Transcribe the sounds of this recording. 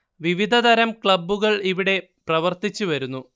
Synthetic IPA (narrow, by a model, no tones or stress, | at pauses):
ʋiʋid̪ʱɐd̪ɐɾɐmkɭɐbːuɣɐɭiʋiɽe̞ | prɐʋɐrt̪it͡ɕːuʋɐɾunːu